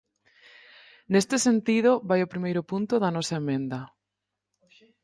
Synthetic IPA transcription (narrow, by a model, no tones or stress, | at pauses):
nest̪ɪsent̪iðʊβajʊpɾimejɾʊpunt̪ʊðɐnɔsɐemẽnd̪ɐ